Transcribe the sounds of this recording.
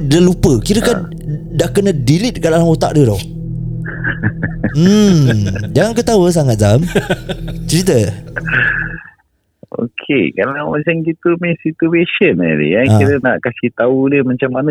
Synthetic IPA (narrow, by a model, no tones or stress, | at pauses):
dəlupəkiɾəkan | daʔkənədilit̪̚kalalaŋot̪a̰ʔdədɔh | m̩ | d͡ʒaŋankət̪awəs̬aŋat̪̚zam | t͡ʃəɾit̪̬ə | o̰kʰekalawmat͡ʃamkit̪umisit̪ueʃənə̰dḭjaiɾənaʔkasiht̪auləhmat͡ʃamːanə